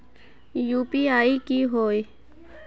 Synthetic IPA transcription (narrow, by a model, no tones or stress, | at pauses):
jupiaːikiɦoj